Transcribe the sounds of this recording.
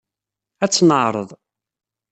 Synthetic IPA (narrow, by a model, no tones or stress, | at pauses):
æt͡sːnəʕɾˤə̰ðˤ